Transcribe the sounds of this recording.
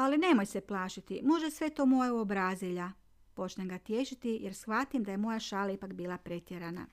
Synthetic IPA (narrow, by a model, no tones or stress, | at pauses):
aline̞mo̞jseplˠaːʃit̪imo̞ʒesʋe̞t̪o̞ːmo̞jeuobɾaːziʎa | po̞t͡ʃneŋɡat̪je̞ʃit̪ijeɾsxʋat̪imd̪aje̞mo̞jaʃaːlaipakbiːlˠapɾe̞t̪jeɾana̰